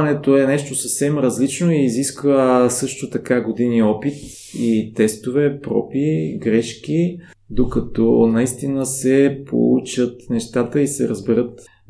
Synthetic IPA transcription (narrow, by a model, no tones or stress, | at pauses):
nɛt̪oɛnɛʃt̪osəfsɛmɾɐzlit͡ʃnoiːziskvəsɤʃt̪ot̪ɐkaɡod̪iniɔpit̪ | it̪ɛst̪ovɛpɾɔ̰piɡɾɛʃk̟i | d̪okɐt̪ɔnɐist̪inəsɛpo̰ṵt͡ʃət̪nɛʃt̪at̪əisɛ̰ɾəzbɛɾət̪